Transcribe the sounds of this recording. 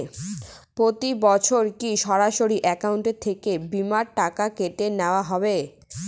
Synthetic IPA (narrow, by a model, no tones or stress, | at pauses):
pɾot̪ibɔt͡ɕʰoɾkiʃɔɾaʃoɾiʔɛkauɳʈet̪ʰːekebimaɾʈakakeʈeneoaɦɔbe